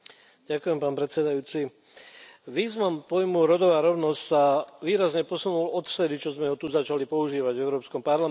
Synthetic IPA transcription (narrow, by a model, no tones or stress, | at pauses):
ɟakujɛmpaːnpɾɛt̪t͡sɛd̪ajuːt͡si | ʋiːznampɔjmuɾɔd̪ɔʋaːɾɔʊnɔscsaʋiːɾazɲɛpɔsunulɔt̪ft̪ɛd̪it͡ʃɔzmɛɦɔt̪uzat͡ʃalipɔuʒiːʋaɟvɛʊɾɔːpskɔmpaɾla